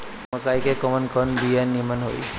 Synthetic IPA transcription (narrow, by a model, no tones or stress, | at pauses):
məkajkekɔmənkənb̪ianːimənɦo̰j